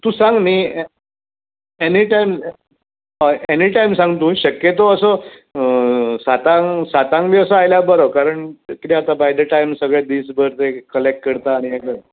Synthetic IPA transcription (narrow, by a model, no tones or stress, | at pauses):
t̪ũːsãŋɡmi | eniʈajm | əeniʈajmsãŋɡt̪ũːɕəkjet̪̬oəsɔ | sat̪ãŋsat̪ãŋɡliəsəajlabəɾokaɾəɳkit̪eat̪abajd̪əʈajmsəɡɭjed̪iːsbəɾt̪ekəlek̚ʈ̚kəɽt̪aːɽ̃iekə